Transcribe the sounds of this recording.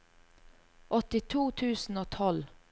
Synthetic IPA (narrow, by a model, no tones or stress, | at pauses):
ʔɔt̪ɪt̪ʰuːt̪ʰʉːsn̩oːt̪ʰɔl